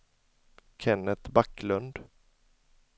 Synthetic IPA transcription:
kʰɛnːət̪bakːlɵnd̪

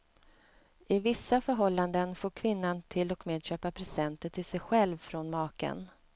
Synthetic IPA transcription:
ɪvɪsːafœɾɦɔlːand̪ənfoːɾkʰvɪnːant̪ʰɪlːɔkmeːd̪ɕøːpapʰɾɛsɛnt̪əʈʰɪlsɛjɧɛlvfɾɔnmɑːkə̰n

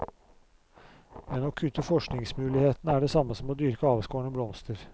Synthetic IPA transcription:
mɛnoːkʰʉt̪ːəfɔʂknɪŋsmʉːlɪheːt̪ənəæːɖɛsɑmːəsɔmoːd̪yːɾkəɑːʋəskoːɳəblɔmst̪əɾ

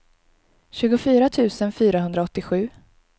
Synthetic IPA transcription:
ɕʉ̟ːɡʊfyːɾat̪ʰʉ̟ːsənfyːɾaɦɵnd̪ɾaɔt̪ːɪɧʉ̟ː

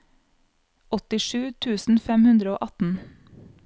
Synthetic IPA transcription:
ɔt̪ɪʃʉːt̪ʰʉːsn̩fɛmhʉnd̪ɾəo̰ːʔɑt̪n̩

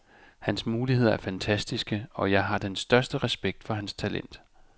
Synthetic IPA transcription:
hænsmuːlihe̝ð̞̰ˠɐæɐfænt͡sʰæsd̥isɡ̥əɒ̽jɑ̈ɪɦɑ̈d̥ensd̥ɶɐsd̥əʁɛsb̥eɡ̥̚d̥fɒ̽ɦænst͡sʰælḛn̰d̥

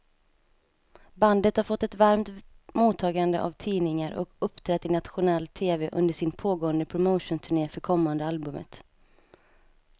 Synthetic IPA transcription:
band̪ət̪haɾfɔt̪ːɛt̪vaɾmt̪muːt̪ʰːɑːɡand̪ə̰ʔa̰vt̪ʰiːnɪŋaɾɔ̰kɵpːt̪ʰɾɛt̪ːɪnat̪ɧʊnɛlt̪ʰeːvɛʔɵ̰nd̪əʂɪnpʰoːɡoːənd̪əpʰɾʊmoːʂʊnt̪ʰɵɳeːfœɾkʰɔmːand̪əalbɵmə̰t̪

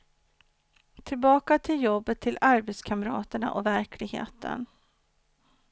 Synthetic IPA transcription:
t̪ʰɪlbɑːkat̪ʰɪljɔbːət̪ʰːɪlaɾbɛt̪skʰaməɾɑ̰ːt̪əɳa̰ʔɔvæɾkʰlɪɡhḛːt̪ʰə̰n

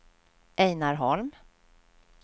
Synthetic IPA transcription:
ʔɛjnaɾɦɔlm

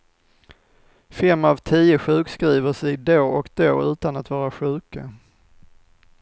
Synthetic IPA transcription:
fɛmːavt̪ʰiːəɧʉ̟ːkskɾiːvəʂɛjd̪oːʔɔkd̪oːʉ̟ːt̪anat̪vɑːɾaɧʉ̟ːkʰa

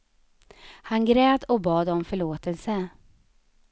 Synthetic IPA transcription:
hanɡɾɛːd̪ɔk̚bɑːd̪ɔmfœɭoːt̪əlsə

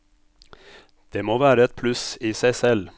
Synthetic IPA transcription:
d̪̥eːmoːʋæːɾəɛt̪̚pʰlʉsiːsæɪsɛl

